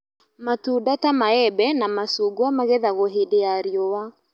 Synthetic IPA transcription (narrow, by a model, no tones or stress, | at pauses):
matudatamaɛbɛnamasuɡwamaɣɛðaɣoɦedeaɾiowa